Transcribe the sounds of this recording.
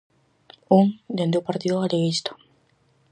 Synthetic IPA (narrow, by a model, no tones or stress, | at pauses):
uŋd̪end̪eupaɾt̪iðoaleɣist̪o̥